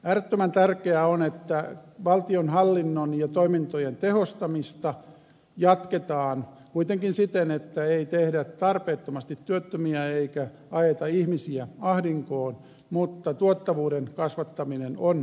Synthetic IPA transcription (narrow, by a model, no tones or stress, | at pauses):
æːrøt̪ːømænt̪ærkeæonet̪ːæʋɑlt̪ionhɑlːinːonjɑt̪oimint̪ojent̪ehost̪ɑmist̪ɑ | jɑt̪ket̪ɑːn | kuit̪eŋkinsit̪enet̪ːæeit̪ehdætt̪ɑrpeːt̪ːomɑst̪it̪tyøt̪ːømiæeikæ | ɑjet̪ɑihmisiæɑhdiŋkoːn | mut̪ːɑt̪uot̪ːɑʋuːɾenkɑsʋɑt̪ːɑminenon